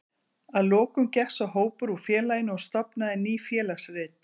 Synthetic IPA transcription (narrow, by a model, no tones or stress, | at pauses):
aðlɔːkʏmcɛhsaɦoːwpʏɾufjɛːlajɪnʏɔst̪ɔpnaðɪniːfjɛːlaxsrɪːt̪